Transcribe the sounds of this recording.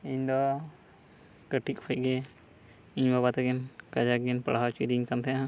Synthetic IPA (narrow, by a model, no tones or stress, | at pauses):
iɲd̪ɔ | kəʈik̚pʰəc̚ɡɛ | iɲbabat̪aɡɛnkad͡ʒakɡɛnpə̰ɽɦat͡ʃiɾiiɲk̪amt̪ʰɛjaɦã